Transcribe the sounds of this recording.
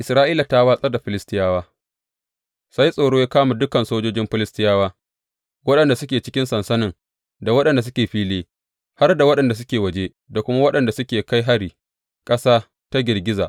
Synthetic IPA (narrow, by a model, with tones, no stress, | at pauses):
ʔɪ˨sɾaː˦ʔiː˦la˨ta˦waː˦sʼɐ˦da˨ɸɪ˨lɪ˦stɪ˦jaː˦waː˦ | sa˦jsʼoː˨ɽoː˦ja˦kaː˦ma˨dʊ˦kɐ˨nsoː˦d͡ʒoː˦d͡ʒɪ˦mɸɪ˦lɪ˦stɪ˦jaː˦waː˦ | wɐ˦ɗɐ˨nda˨sʊ˦kʲeː˨t͡ʃɪ̥˦kʲɪ˦nsɐ˨nsɐ˦nɪ˨ŋ | da˨wɐ˦ɗɐ˨nda˨s̬ʊ˦kʲeː˨ɸiː˦leː˦ | ha˦rda˨wɐ˦ɗɐ˨nda˨s̬ʊ˦kʲeː˨wɐ˨d͡ʒeː˦ | da˨kʷʊ˦ma˦wɐ˦ɗɐ˨nda˨sʊ˦kʲeː˨ka˦jɦa˦ɽiː˨ | kʼɐ˦saː˦ | ta˦ɡʲɪ˨rɡʲɪ˦za̰ː˨ʔ